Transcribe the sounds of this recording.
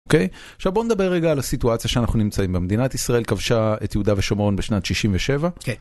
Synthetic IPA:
okej | aχʃavbo̞ned̪abe̞ʁːeɡaːlasituat͡sjaʃeanaχnunimt͡saimbemed̪inat̪isʁae̞lkavʃaet̪jeud̪aveʃomo̞nbeʃnat̪ʃiʃimveʃe̞va

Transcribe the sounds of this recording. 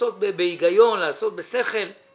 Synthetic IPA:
ot̪̚bebejiɡajonlaːsot̪̚beseχel

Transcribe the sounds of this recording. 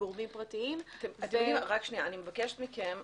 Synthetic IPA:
oʁmimpʁatiimatemat̪emodimʁakʃniaːnimevakeʃe̥t̪mikem

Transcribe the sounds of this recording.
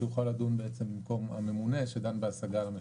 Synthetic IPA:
juχalːad̪unbeet͡sembimko̞mame̞mune̞ʃed̪anbeasaɡalame

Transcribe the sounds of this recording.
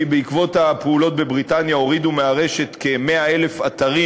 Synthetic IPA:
ibeikvo̞thapeulo̞t̚be̞bʁitanjao̞ʁidumeaʁe̞ʃe̞tke̞me̞ae̞le̞fat̪aʁi

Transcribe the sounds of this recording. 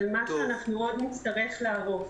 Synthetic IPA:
lmaʃeanaχnuo̞d̪nit͡st̪aʁe̞χleaʁo̞f

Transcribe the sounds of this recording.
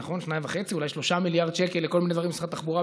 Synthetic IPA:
χo̞nʃnaimvaχet͡siulajʃlo̞ʃamiljaʁd̪ʃekelːeko̞lmined̪vaʁimesi̥at̪aχbuʁa

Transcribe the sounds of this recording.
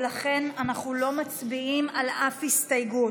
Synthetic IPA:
laχe̞nanaχnulo̞mat͡sbiimalafhistajɡu

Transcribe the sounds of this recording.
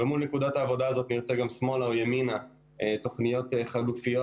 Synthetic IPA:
vemulnekud̪at̪aːvo̞d̪aːzo̞t̪niʁt͡seɡamsmo̞laojemina | eto̞χnijo̞t̪eχalufijo

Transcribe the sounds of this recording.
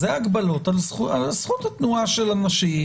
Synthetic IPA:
zeaɡbalot̪alsχualsχut̪at̪nuaʃelanaʃi

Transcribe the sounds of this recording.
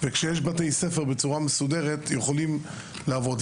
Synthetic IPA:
vekʃejeʃbatejse̞feʁbet͡suʁamesudeʁetjeχolim | leavo̞d

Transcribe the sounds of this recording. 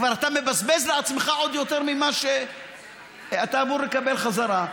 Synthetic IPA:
vaʁat̪ame̞bazbezleat͡smeχao̞d̪jo̞t̪e̞ʁmimaʃe | at̪aːmuɾlekabe̞lχazaʁa

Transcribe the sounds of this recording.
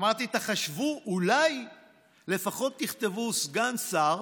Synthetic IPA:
maʁt̪it̪aχaʃvuʔulaj | le̞faχo̞t̪ːiχt̪evusɡansaʁ

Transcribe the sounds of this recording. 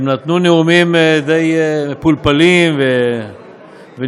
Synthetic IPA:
mnat̪nuneumimd̪ejpulpalimve | ve

